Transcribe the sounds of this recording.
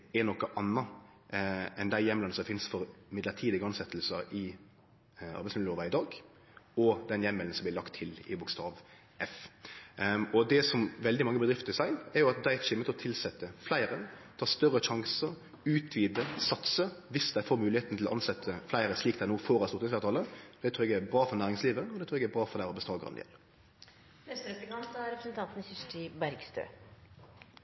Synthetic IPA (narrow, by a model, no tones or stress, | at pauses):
ɛnɔkːəʔɑnːɑ | ɛnd̪æɪjɛmlɑnəsɔfɪnsfɔɾmɪd̪lət̪ʰiːd̪ɪɡəɑnsɛt̪ʰlsəɾɪ | ɑ̰ɾbɪsmɪd̪oːʋɑɪd̪ɑːɡ | ɔd̪ɛnjɛmːɛln̩sɔmblɪlɑkt̪ʰːɪlɪ̰bʊkst̪ɑːʋ | ʔɛf | ɔd̪ɛsɔmʋɛld̪ɪmɑŋːəbəd̪ɾɪft̪ɪsɑɪnɛɾjʊɑt̪̚d̪æɪʃɪmːət̪ʰɪlɔt̪ʰɪlsɛt̪ːəflæɪɾət̪ʰɑːst̪œɾəʃɑŋsəɾ | ʉːt̪ʰʋiːd̪əsɑt̪səʋɪsd̪æɪfoːɾmʉːlɪheːt̪n̩t̪ɪlɔʔɑnsɛt̪ʰːəflæɪɾəsliːk̚d̪æɪnoːfoːɾɑsʊʁt̪ɪsfɑːɾt̪ʰɑːləd̪ɛt̪ʰɾʉːɾɛɡæɾbɾɑːfɔnæːʁɪŋsliːʋəɔd̪ɛt̪ʰɾʉːɾɛɡɛɾbʁɑːfɔɾd̪æɪʁɔbəst̪oːɡʁɑ̰nd̪ɪɛ̰l | nɛst̪əɾɛpɾənɑnsd̪ɑɾɛpɾəsən̩t̪ʰɑnt̪n̩sɪsʈibæɾɡst̪ʰø̰ː